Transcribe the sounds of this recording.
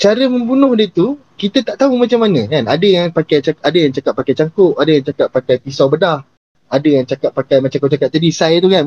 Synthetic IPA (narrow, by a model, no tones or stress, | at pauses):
t͡ʃaɾəmə̃mbunʊhdiət̪ukit̪ət̪aʔt̪aumat͡ʃamːanə̃kanadəjaŋpakajt͡ʃaʔadəjaŋt͡ʃakat̪̚pːakajt͡ʃaŋkʊʔʔadəjaŋt͡ʃakat̪̚pːakajpisawbədah | adəjaŋt͡ʃakat̪̚pakajmat͡ʃaŋkʊʔt͡ʃakat̪̚ːadisajt̪ukan